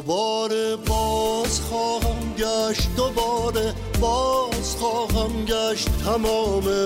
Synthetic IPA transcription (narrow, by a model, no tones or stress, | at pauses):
bɔːɾebɒːzxɔːhæmɡæʃt̪̚d̪obɒːɾe | bɒːz̥xɒːɦæmɡæʃtt̪ʰæmɒːme